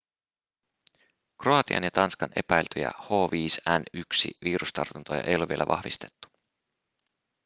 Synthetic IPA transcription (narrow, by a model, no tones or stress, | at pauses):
kroɑt̪iʔɑ̰njɑt̪ɑnskɑne̞pæjlt̪øjæ̰ho̞ːʋiːsænyksḭʋiːɾust̪ɑ̰rt̪unt̪ojɑ̰ʔejolːeʋielæʋʔɑ̰hʋist̪e̞̥t̪ːu̥